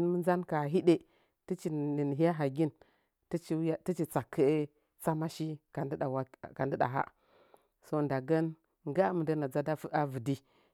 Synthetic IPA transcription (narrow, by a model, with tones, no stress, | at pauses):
n˦mə˦nza˦nka˨ɦi˦ɗe˨ | ti˦t͡ʃi˨ni˨n˨ɦi˦a˦ɦa˨ɡi˦n | ti˦t͡ʃi˦a˦ti˦t͡ʃi˨t͡sa˨kʰːə˦ | t͡sa˦ma˦ʃi˦ka˨da˨wa˨ka˨ndi˦ɗa̰˨ɦa̰˦ | so˦nda˨ɡa˦n | ŋɡa˦mə˨ndə˦na˨d͡za˦da˦fu˦ʔa˦və˨di˦